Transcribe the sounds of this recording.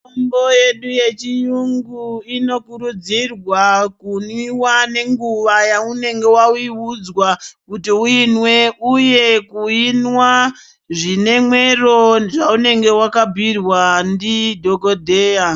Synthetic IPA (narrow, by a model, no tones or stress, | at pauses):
omboje̞ɗuje̞t͡ʃijuŋɡuino̞kuɾud͡zirwakunwiwane̞ŋɡuʋajaune̞ŋɡe̞wauiud͡zwakutiuinwe̞uje̞kuinwa | ʐine̞mwe̞ro̞ʐaune̞ŋɡe̞wakabʱirwandidʱokodʱeːja